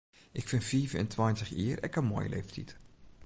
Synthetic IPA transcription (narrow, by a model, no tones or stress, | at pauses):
ʔɪkfɪnfiːvɛ̰ntʰwajntəχḭːərɛkənmo̰ːjə̰lʔḛːftʰit